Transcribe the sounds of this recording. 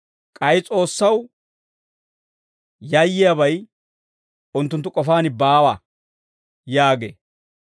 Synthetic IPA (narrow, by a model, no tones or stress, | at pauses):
kʼɐjɪt͡sʼo̞ːsːɐw | jɐjːɪjabɐj | ʊnt̪ːʊnt̪ːʊkʼɔfaːnɪbaːwɐ | jaːɡḛː